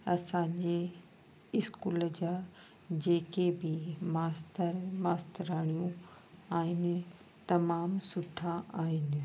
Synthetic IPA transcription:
ɐsãɲd͡ʑe | ɪskuːləd͡ʑaː | d͡ʑeːkebɪmaːst̪əɾmaːst̪əɾaːɽ̃ijũ | aːɦɪnɪ̆ | t̪ɐmaːmsʊʈʰãʔaːɦɪnɪ̆

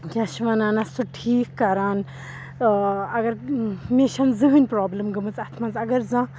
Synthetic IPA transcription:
ɡʲaʃʋɐnãːnɐst̪uʈʰiːkːɐɾaːn | ɐɡɐɾmʲeʃɐnzɨɦɨnʲpɾaːblɨmɡɨmɨt͡sɐt̪ʰmɐnt͡sɐɡɐɾzã

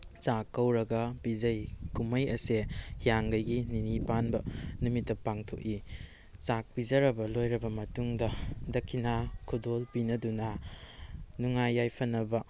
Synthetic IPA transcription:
t͡ʃakːɐwɾɐɡɐbid͡ʒɐjkumɐjɐseijaŋɡɐjɡininipanbɐnumitːɐpaŋtʰo̰ki | t͡ʃak̚pizɐɾɐbɐlojɾɐbɐmɐtuŋdɐdɐkʰːinakʰudolpinɐdunɐ | nuŋajːajpʰɐnːɐbɐ

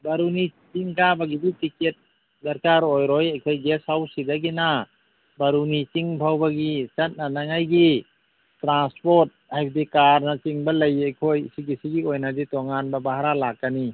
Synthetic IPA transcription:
baɾunit͡ʃiŋkabaɡibitiket̚ | dɐɾkaɾojɾojajkʰojɡesawsidaɡina | baɾunit͡ʃiŋbʰʱawbaɡit͡ʃɐt̚nanaŋajɡi | tɾanspoɾt̚hajpʰdikaɾnat͡ʃiŋbɐlɐjajkʰojsiɡisiɡiojnaditoŋanbabaɦaɾalakːani

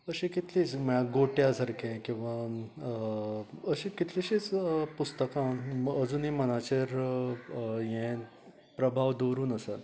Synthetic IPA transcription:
əɕẽkit̪ʰlit͡sməɭaɡoʈjasəɾkɛ̃kĩw̃ʋã | əɕĩkit̪ʰleɕit͡spust̪əkãnəd͡zuːnĩmənat͡ɕeɾ | jɛ̃ | pɾəbʱaʋd̪oɾuːnəsat̪

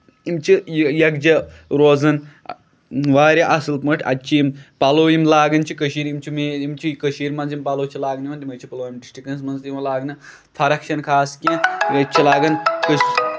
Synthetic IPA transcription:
imt͡ʃʰijɐɡd͡ʒɐɾoːzɐn | ʋaːɾʲɐʔɐsɨlpmɐʈʰʲɐ̰t͡ʃʰiimpɐloːjimlaːɡɐnt͡ʃʰikəʃiːɾimt͡ʃʰimeːimt͡ʃʰikəʃiːɾmɐnzimpɐloːt͡ʃʰilaːɡniʋɐnt̪imɐt͡ʃʰipɐloːimʈisʈikɐns̬mɐnzimɐlaːɡnɨ | t̪ʰɐɾɐkʃɐnkʰaːskʲĩɐt͡ʃʰilaːɡɐnkəʃ

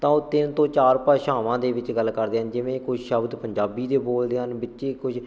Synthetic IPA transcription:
t̪ãːoːt̪ɪnt̪õːt͡ʃaːɾpaːʃaːʋãːd̪eːʋɪt͡ʃɡəlːkəɾd̪eːɦənd͡ʒɪʋẽːkʊʃʃəbd̪pəɲd͡ʒaːbiːd̪eːboːld̪eːɦənbɪt͡ʃːʃeːkʊʃ

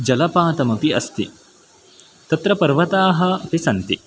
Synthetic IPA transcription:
d͡ʒɐlɐpaːt̪ɐmɐpiɐ̰st̪i | t̪ɐt̪ɾɐpɐɾʋɐt̪aːɦɐ̆ɐpisɐnt̪i

